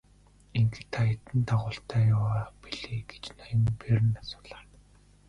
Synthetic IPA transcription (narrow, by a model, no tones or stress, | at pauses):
iŋɡĕt̪ʰaet̪ɘ̆nt̪ʰaʁʊːɬt̪ʰæːjʊwaːpiɮeːɡe̥t͡ɕnajə̆mperɘ̆nasʊ̥ːɮaːr